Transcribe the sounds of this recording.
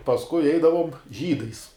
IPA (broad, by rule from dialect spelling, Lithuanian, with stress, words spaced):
pɐsˈkʊɪ ˈɛɪdɐʋoːm ˈʒʲiːdɐɪs